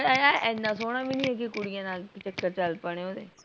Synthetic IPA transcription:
aʔɛnːãːsoːɽ̃aːbiːnĩːekikʊɽijãːnaːlkt͡ʃəkːəɾt͡ʃəlpəɽ̃eːɦoːd̪eː

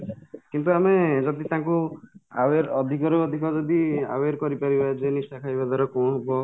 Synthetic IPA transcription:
kint̪̬uamed͡ʒɔd̪it̪ãkua̰weɾɔd̪ʱikɔɾoɔd̪ʱikɔd͡ʒɔd̪ia̰weɾkɔɾipaɾibad͡ʒenisʈakʰajbad̪aɾɔkoñɦebɔ

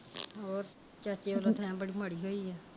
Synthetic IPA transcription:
oːɾ | t͡ʃaːt͡ʃeːʋolot̪ʰaãːbəɽimaːɽiːɦoːiːaː

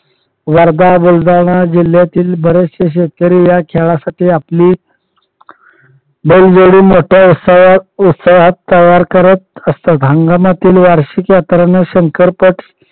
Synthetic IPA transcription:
ʋaɾd̪abold̪aɳ̃ad͡ʑil̤jat̪iːlbəɾest͡ɕeɕ̬et̪̚kəɾiːjakʰɛɭasaʈiːapliː | beld͡zoɽiːmoʈʰjausut̪saʋat̪ːəjaɾkəɾət̪̚əst̪at̪ɦəŋɡamat̪iːlʋaɾɕikjat̪ɾanəɕəŋkəɾpəʈ

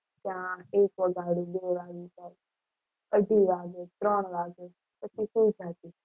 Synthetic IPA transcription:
t̪jãːeːkʋəɡʱaːɽiːɗeːʋaːɡiːsaːj | əɖʱiːʋaːɡeːt̪ɾəːɳʋaːɡe | pət͡ʃʰikud͡ʒʱaːt̪iː

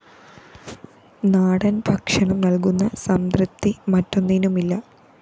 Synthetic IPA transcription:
naːɽɐnbʱɐkʂɐɳumnɐlk̬unːɐsɐmd̪rɨt̪ːimɐtːo̞nːinumilːɐ

